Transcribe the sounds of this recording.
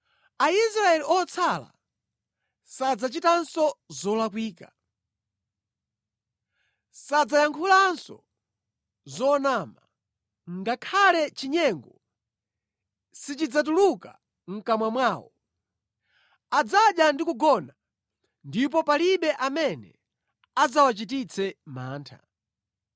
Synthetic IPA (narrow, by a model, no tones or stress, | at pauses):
aisɾaɛliɔt͡sʰala̰ | sad͡zat͡ʃitansɔzɔlak̬wiːka | sad͡zajaŋkʰulaːnsɔ̰ | zɔnaːma | ŋ̩ɡakʰalɛt͡ʃiɲɛŋɡɔ | sit͡ʃid͡zat̬uluka | ŋ̩kamwamwaːwɔ | ad͡zaɗjandikuɡɔna | ndip̬ɔpaliɓɛʔamɛnɛ | ad͡zawat͡ʃitit͡sʰɛma̰ːntʰa̰